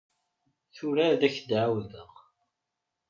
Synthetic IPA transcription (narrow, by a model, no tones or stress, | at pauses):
θuɾaðæçd̪ʕawðəʁ